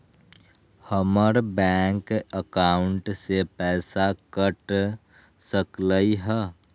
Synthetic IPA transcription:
həməɾbɛːŋkəkaːʊɳʈsepɛːsakəʈ | səkləiɦɛː

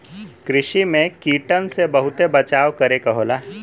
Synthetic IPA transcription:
kɾɪʃimẽkiːʈənsebəɦʊt̪ebət͡ʃaːʋkəɾekɐɦoːlaː

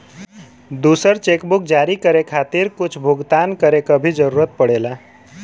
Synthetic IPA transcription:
d̪usəɾt͡ʃekbuk̚d͡ʒaɾikəɾekʰat̪iɾkʊt͡ʃʰbʱuɡt̪ankəɾekəbʱid͡ʒəɾuɾət̪̚pəɽela

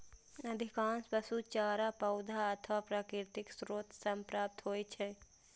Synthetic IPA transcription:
ɐd̪ʱikãːnspəsut͡ʃaːɾapɐʊd̪ʱaɐt̪ʰʋapɾaːkɪɾt̪ɪksɾoːt̪ʰsəmpɾaːp̚t̪ɦoːjt͡ʃʰɛ

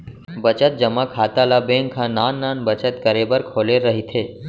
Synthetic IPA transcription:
bət͡ʃət̪̚d͡ʒəmãkʰaːt̪alabẽŋkʰãnaːnːaːnbət͡ʃət̪kəɾebəɾkʰoːleɾəɦit̪ʰe

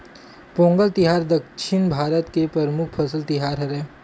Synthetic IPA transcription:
põːŋɡəlt̪ɪɦaːɾd̪əkʃɪnbʱaːɾət̪kepɾɐɾmʊk̚ʰpʰɐsəlt̪ɪɦaːɾɦɐɾɛː

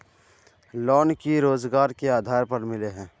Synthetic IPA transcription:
lɔːnkiɾoːzɡaːɾkeaːd̪ʱaːɾpɐɾmɪleɦɛ̃ː

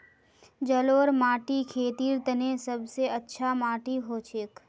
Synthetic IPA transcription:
d͡ʒəloːɾmaːʈikʰeːt̪iːɾt̪ənesəbseətːʃʰamaːʈiɦoːt͡ʃʰeːk

